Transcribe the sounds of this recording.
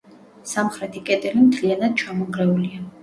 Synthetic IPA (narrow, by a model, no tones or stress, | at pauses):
samχɾɛt̪ʰikʼɛt̪ʼɛlimt̪ʰlianad̪̥̚t͡ʃʰamɔɡɾɛulia